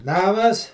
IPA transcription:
ˈnɑːmɐs

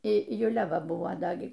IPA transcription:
ɪ jʊˈlʲɛ ˈʋɐ ˈbʊʋoː ˈdɐ ˈɡʲɪ

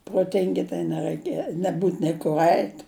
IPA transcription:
proːˈtʲɪŋʲɡʲɪ tɐɪ nʲɛrɐɪˈkʲɛ nʲɛˈbuːt nʲɛɪ kʊr ˈɐɪtʲ

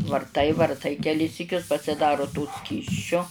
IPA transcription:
ʋɐrˈtɐɪ ʋɐrˈtɐɪ kʲɛˈlʲɪs sʲiːˈkʲʊs pɐsʲɪˈdɑːroː toː ˈsʲkʲiːsʲt͡ʃʲoː

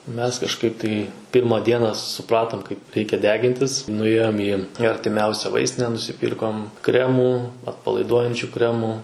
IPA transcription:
ˈmʲɛs kɐʃˈkɐɪp tɐɪ ˈpʲɪrmɐ ˈdʲiɛnɐ sʊˈprɑːtoːm kɐɪp ˈrʲɛɪkʲɛ ˈdʲæːɡʲɪnʲtʲɪs nʊˈeːjoːm iː iː ɐrʲtʲɪˈmʲɛʊsʲɛ ˈʋɐɪsʲtʲɪnʲɛ nʊsʲɪˈpʲiːrkoːm ˈkrʲæːmuː ɐtpɐlˠɐɪˈduɔjɛnʲt͡ʃʲʊ ˈkrʲæːmuː

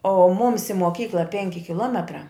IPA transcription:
oː ˈmʊms ɪ moːˈkʲiːklˠɐ ˈpʲɛŋʲkʲɪ kʲɪˈlˠoːmʲɛtrɑː

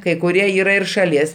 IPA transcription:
kɐɪ kʊˈrʲiɛ ˈiːrɐ ɪr ʃɐˈlʲiɛs

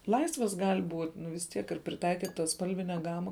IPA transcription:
ˈlˠɐɪsʋɐs ˈɡɐlʲ ˈbuːtʲ ˈnʊ ʋʲɪs ˈtʲiɛk ɪr pʲrʲɪˈtɐɪkʲiːtɐs ˈspɐlʲʋʲɪnʲɛ ˈɡɑːmɐ

